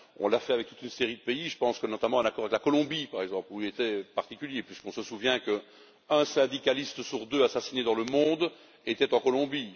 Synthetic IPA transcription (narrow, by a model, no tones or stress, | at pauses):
ɔ̰̃lafɛavɛk̚t̪u̥t̪ynseʁid̪əpeiʒəpɑ̃skənɔt̪amɑ̃ɛ̃nakɔʁavɛklakɔlɔ̃bipaʁɛɡzɑ̃pluilet̪ɛpaʁt̪ikʲyljepɥiskɔ̃səsuvjɛ̃kə | œ̃sɛ̃d̪ikalist̪əsyʁd̪øasasined̪ɑ̃ləmɔ̃d̪ | et̪ɛt̪ɑ̃kɔlɔ̃bi